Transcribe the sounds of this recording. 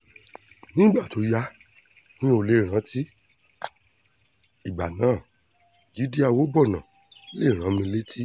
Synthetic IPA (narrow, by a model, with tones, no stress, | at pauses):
nĩ˦ɡ͡ba˦˨to˨˦ja˧ | nĩ˦o˧le˦˨ɾ̃ã˨˦ti˦ | i˨ɡ͡ba˨nãː˨˦˨ | d͡ʒi˨˦di˦a˦˨wo˦bɔ˦˨nã˨˦ | le˦˨ɾ̃ã˨˦mĩ˧le˦ti˦